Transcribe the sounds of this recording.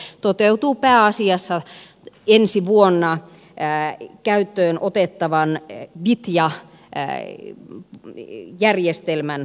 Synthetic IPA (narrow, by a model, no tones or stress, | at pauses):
t̪ot̪eut̪uːpæːɑsiɑsːɑ | ensiʋuonːɑ | kæyt̪ːøːnʔot̪et̪ːɑʋɑnʋit̪jɑ | jærjest̪elmæn